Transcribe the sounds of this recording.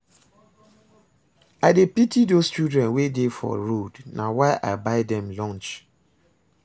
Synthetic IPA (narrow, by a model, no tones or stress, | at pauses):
aɪdepitidost͡ʃudɹɛ̃nwedefɔ̰ɹodnʔawaɪʔa̰ɪbaɪdɛ̃mlɔ̃nt͡ʃ